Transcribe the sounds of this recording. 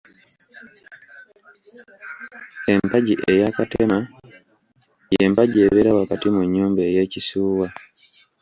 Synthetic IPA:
e̞mpaɟiʔe̞jakatema | je̞mpaɟie̞βeɾawakatimuɲːuːmbeːje̞ːcisuːwa

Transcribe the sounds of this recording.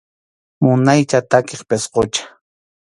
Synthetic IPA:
mʊnajt͡ʃat̪akeχpesqot͡ʃḁ

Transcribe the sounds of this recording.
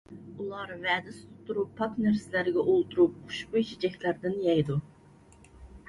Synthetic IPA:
ulˠɑɾvɛːd̪ɪst̪ʰʊt̪ʰːuɾupʰːɑknæɾsɪlæɾɪɡʲɛʔolˠt̪uɾup̚qʰʊ̥ʃqut͡ʃid͡ʒɛkʲlæɾd̪ɪnjɛjd̪u

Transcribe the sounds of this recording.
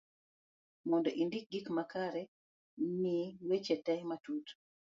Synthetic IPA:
mɔndɔʔindik̚ɡikmakaɾɛ | niwet͡ʃɛtɛjmatut

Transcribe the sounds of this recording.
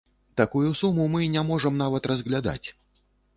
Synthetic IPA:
t̪akujusumumɨnʲamɔʐɐmnavɐt̪rɐzɣlʲad̪a̰t͡sʲ

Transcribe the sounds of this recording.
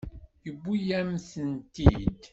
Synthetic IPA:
jəbːujæmθənt̪id̪

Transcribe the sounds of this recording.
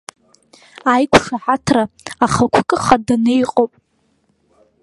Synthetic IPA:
ajkʷʰʂaħatʰraːχakʷʰkʼɨχadanɨjqʼowpʼ

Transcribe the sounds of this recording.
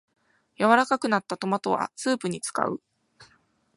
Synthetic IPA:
jaβaɾakakɯ̟nat̪ːat̪o̞mat̪o̞βa̰sɨːpɯ̟ɲ̟it͡sɨ̥ka̰ɯ̟

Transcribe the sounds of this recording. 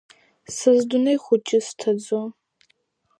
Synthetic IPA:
sɨzdʊnɐjχʷʊt͡ʃʼɪstʰɐd͡zɔ

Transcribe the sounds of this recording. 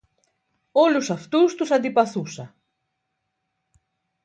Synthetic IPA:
olusɐft̪ust̪usɐnd̪ipɐθusɐ

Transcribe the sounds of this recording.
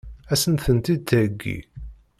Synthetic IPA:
æsənθənt̪id̪̚t̪æɡːḭ

